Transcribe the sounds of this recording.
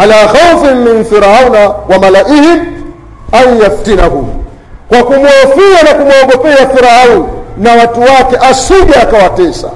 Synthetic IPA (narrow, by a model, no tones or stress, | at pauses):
alahaufim̩min̩fiɾaaunawamalaʔihim | aijaftinahumu | kwakumwɔɔfianakumwɔɡɔpɛafiɾaaunnawatuwakɛʔasiɡaːkawatɛsa̰